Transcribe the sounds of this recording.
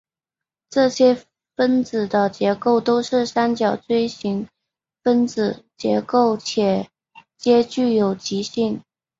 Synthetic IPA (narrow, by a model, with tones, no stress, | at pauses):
ʈ͡ʂɤ˥˩ɕjɛ˥ | fə˥nt͡sɹ̩˨˩d̪ə˦t͡ɕjɛ˧˥ko˥˩ʊt̪o˥ʊʂɻ̩˥˩sa˥nt͡ɕjɑ˨˩ʊt͡swe˥ɪɕi˧˥ŋ | fə˥nt͡sɹ̩˨˩t͡ɕjɛ̰˧˥ko˥˩ʊt͡ɕʰjɛ˨˩ | t͡ɕjɛ˥t͡ɕy˥˩jo˨˩ʊt͡ɕi˧˥ɕi˥˩ŋ